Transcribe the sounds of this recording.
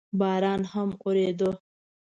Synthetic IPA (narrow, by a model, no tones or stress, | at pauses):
bɑːɾɑːnhamoɾed̪ə